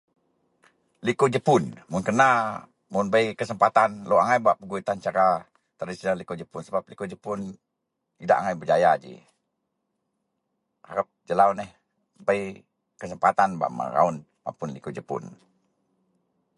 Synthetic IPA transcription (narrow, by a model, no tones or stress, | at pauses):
likud͡ʒəpʊnmʊnkəna | mʊnbəjkəsəmpat̪anloaŋajbaʔpəɡuit̪ant͡ʃaɾa | t̪ərdisinalikod͡ʒəpʊnsəbap̚likod͡ʒəpʊn | ida̰ʔaŋajbəd͡ʒajad͡ʒḭ | ha̰ɾap̚d͡ʒəlaunɛh | bəi | kəsəmpat̪anba̰ʔma̰ɾa̰un | ma̰pʊnlikud͡ʒəpʊ̰n